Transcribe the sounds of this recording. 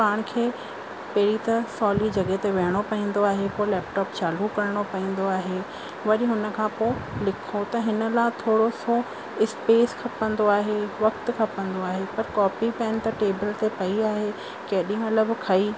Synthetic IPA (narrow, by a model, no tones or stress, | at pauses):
paːɽ̃kʰeː | pɐɦɪɾit̪ɐsɔːlid͡ʑɐɠet̪eʋɐɦɪɽ̃opɐĩːn̆d̪oaːɦepolɛːpʈɔːpt͡ɕaːlukɐɾəɽ̃opɐĩːn̆d̪oaːɦeː | ʋɐɗiɦʊnə̆kʰãːpoɪlɪkʰot̪ɐɦɪnə̆laːt̪ʰoːɽoso | ɪspeːskʰɐpə̃nd̪oaːɦeʋɐkt̪kʰɐpə̃nd̪oaːɦepɐɾkɔːpipɛ̃ːn̆t̪ɐʈeːbɪlt̪epɐiaːɦe | kɐɦɗĩɦũɐləbkʰɐiː